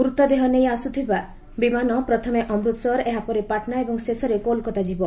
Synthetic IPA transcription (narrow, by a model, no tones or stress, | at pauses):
ɡuɾut̪ɔd̪eɦɔnejasut̪ʰiba | bimanɔpɾɔt̪ʰɔmeʔɔmɾut̪sɔɾeɦapɔɾepaʈʰnaebɔŋsesɔɾekolkɔt̪ad͡ʒibɔ